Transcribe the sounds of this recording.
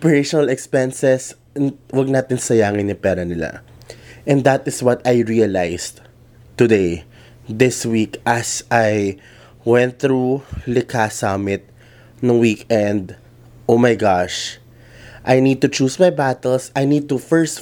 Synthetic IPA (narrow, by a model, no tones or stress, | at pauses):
pɛɹejʃɔnɐlɛkspɛnsɛs | wɐɡ̚naːt̪ɪnsɐjaːŋɪnːɪpɛːɾɐnɪla̰ʔɛ̃nd̪ɐt̪̚ɪswɔt̪ajɹiɐlajs | t̪ʊd̪ej | d̪ɪswikʔɐsʔaj | wɛ̃nt̪̚θɾulɪkʰasamɪt̪̚ | noŋwikɛ̃nd̪ | ʔowmajɡaʃ | ʔajnid̪̚t̪ʊt͡ʃuːsmajbat̪ɛlsajnid̪̚t̪ʊfɛɹst̪